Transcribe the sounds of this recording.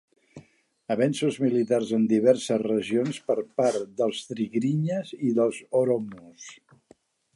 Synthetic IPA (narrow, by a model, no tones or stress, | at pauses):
əβɛnsuzmilit̪arzənd̪iβɛɾsəzrəʒionspəɾpaɾd̪əlˠst̪ɾiɣɾiɲəziðəlˠzoɾomus